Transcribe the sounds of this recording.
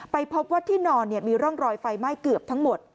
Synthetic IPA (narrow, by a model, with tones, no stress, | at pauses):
pa˧jpʰo˦˥p̚waː˥˩t̪ʰiː˥˩nɔː˧nːi˥˩əmiː˧ɾɔ˥˩ŋɾɔː˧jfa˧jma˥˩jkɯ˨˩əp̚t̪ʰa˦˥ŋmo˨˩t̪̚